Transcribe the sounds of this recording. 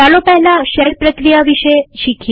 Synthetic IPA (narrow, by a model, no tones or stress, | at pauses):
alopɛɦlaʃəɾpɾəkɾijaʋiʃeʃikʰ